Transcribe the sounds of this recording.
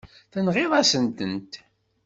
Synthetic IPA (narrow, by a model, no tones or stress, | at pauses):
θənʁɪðˤɑsənt̪ənt̪